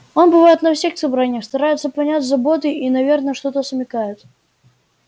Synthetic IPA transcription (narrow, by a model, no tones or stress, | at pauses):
onbɨvajɪt̪nɐfsʲexsɐbɾanʲɪjəxst̪ɐɾajɪt̪sːəpɐnʲatʲzɐbot̪ɨinɐvʲernəəʂt̪o̞t̪əsəmʲɪkajɪt̪